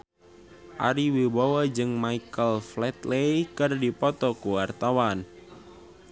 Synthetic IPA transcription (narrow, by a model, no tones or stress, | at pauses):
ʔaɾiwibawad͡ʒɨŋmaikəlflɛt̪lejkɨrdipɔt̪ɔkuwart̪awan